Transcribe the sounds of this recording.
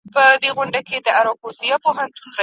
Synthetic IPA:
pəd̪eɣʊɳɖaked̪əaɾɑbosijɑpoɦant̪unɾa

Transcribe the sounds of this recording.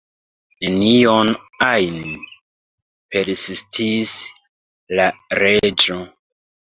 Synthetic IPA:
nenionajn | pe̞ɾsistʰis | laɾe̞d͡ʒo

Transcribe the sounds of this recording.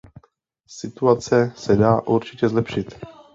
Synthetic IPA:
sɪt̪uat͡sɛsɛdaːʔuɾt͡ʃɪcɛzlɛpʃɪt̪

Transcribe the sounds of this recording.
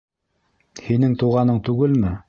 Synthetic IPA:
hinɘŋt̪uʁɑnɤɴt̪ʉɡɘlmɘ

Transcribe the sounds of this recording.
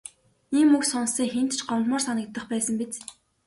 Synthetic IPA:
iːmːuksɔnsiːŋxen̥t̪t͡ɕɢɔmt̪mʊːrsanə̆k̚t̪ːə̆χpæːsə̆mpet͡s

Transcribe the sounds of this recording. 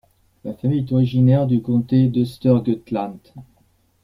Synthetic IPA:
lafamijɛt̪ɔʁiʒinɛʁd̪ykɔ̃t̪ed̪əst̪œʁɡøt̪lãnt̪

